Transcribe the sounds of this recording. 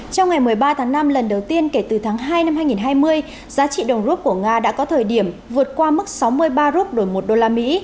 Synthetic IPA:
t͡ɕɔ˧wŋ͡mŋa˨˩jmɨ˨˩əjɓaː˧t̪ʰaː˨˦ŋna˧mlə˨˩nɗə˨˩wt̪i˧ənke˧˩t̪ɨ˨˩t̪ʰaː˨˦ŋɦaː˧jna˧mhaː˧jŋi˨˩nɦaː˧jmɨ˧əj | zaː˨˦t͡ɕḭ˧˨ɗə˨˩wŋ͡mzu˦˥t̚ku˧˩əŋaː˧ɗa̰ː˧˥kɔ˨˦t̪ʰəː˨˩jɗi˧˩əmvɨ˨˩ət̚kwaː˧mɨ˦˥k̚sa˨˦wmɨ˧əjɓaː˧zu˦˥k͡p̚ɗo˧˩jmo˨˩t̚ɗo˧laː˧mḭ˧˥

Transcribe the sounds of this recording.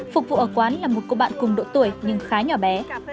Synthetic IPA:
fʊ˨˩k̚vṵ˧˨ʔəː˧˩kwaː˨˦nlaː˨˩mo˨˩t̚ko̰˧˨ɓa̰ː˧˨nkʊ˨˩ŋ͡mɗo̰˧˥t̪u˧˩əjɲɨ˧ŋxaː˨˦ɲɔ˧˩ɓɛ˨˦

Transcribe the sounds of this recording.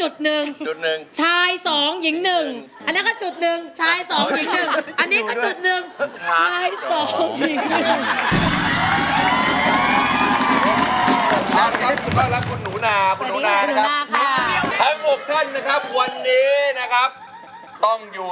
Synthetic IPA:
t͡ɕu˨˩t̪̚nɯ˨˩ŋt͡ɕu˨˩t̪̚nɯ˨˩ŋt͡ɕʰaː˧jsɔː˩˦ŋji˨˩˦ŋnɯ˨˩ŋ | ʔa˧nːiː˦˥kɔː˥˩t͡ɕu˨˩t̪̚nɯ˨ŋt͡ɕʰaː˧jsɔː˩˦ŋji˨˩˦ŋŋnɯ˨˩ŋʔa˧nːiː˦˥kɔː˥˩t͡ɕu˨˩t̪̚nɯ˨˩ŋʰt͡ɕaː˧jsɔː˩˦ŋji˨˩˦ŋnɯ˨˩˧ | a˦˥˩kʰa˦˥p̚ku˧t̪ɔː˥˩ŋla˦˥p̚kʰu˧nːuː˩˦naː˧kʰu˧nuː˨˩˦naː˦˥˧nː˩a˦naː˧kʰa˦˥t̪ʰa˦˥ŋmu˨˩k̚t̪ʰa˥˩nːa˦˥kʰa˦˥p̚wa˧nːiː˦˥na˦˥kʰa˦˥p̚ | t̪ɔ˥˩ŋjuː˨˩

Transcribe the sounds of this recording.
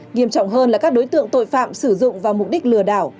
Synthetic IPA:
ŋi˧˩əmt͡ɕɔ̰˧˨wŋ͡mɦəː˧nlaː˨˩kaː˦˥k̚ɗo˨˦jt̪ɨ̰˧˨əŋt̪o̰˧˨jfa̰ː˧˨msɨ˧˩zʊ̰˧˨ŋ͡mvaː˨˩wmʊ˨˩k͡p̚ɗi˦˥k̟̚lɨ˧˩əɗaː˧˩w

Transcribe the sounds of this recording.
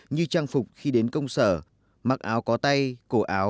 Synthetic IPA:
ɲɨ˧t͡ɕaː˧ŋfʊ˨˩k͡p̚xi˧ɗe˨˦nkə˧wŋ͡msə̰ː˧˩ | ma˨˩k̚ʔaː˨˦wkɔ˨˦t̪a˧jku˧˩ʔaː˨˦w

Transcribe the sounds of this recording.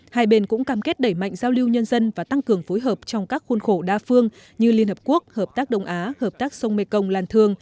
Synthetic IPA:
haː˧jɓe˧˩nkʊ̰˧˥ŋ͡mkaː˧˩mke˦˥t̚ɗə˧˩jma̰˧˨jŋzaː˧wli˧wɲə˧nzə˧nvaː˨˩t̪a˧ŋkɨ˨˩əŋfo˨˦jɦəː˨˩p̚t͡ɕɔ˧wŋ͡mkaː˦˥k̚xu˧nxo˧˩ɗaː˧fɨ˧əŋ | ɲɨ˧li˧ənhəː˨˩p̚ku˦˥ək̚həː˨˩p̚t̪aː˦˥k̚ɗə˧wŋ͡mʔaː˨˦həː˨˩p̚t̪aː˦˥k̚sə˧wŋ͡mme˧kə˧wŋ͡mlaː˨˩nt̪ʰɨ˨˩əŋ

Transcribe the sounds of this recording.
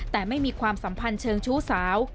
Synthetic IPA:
t̪ɛː˨˩ma˥˩jmiː˧kʰwaː˧msa˩˦mpʰa˧nt͡ɕʰɤː˧ŋt͡ɕʰuː˦˥saː˩˦w

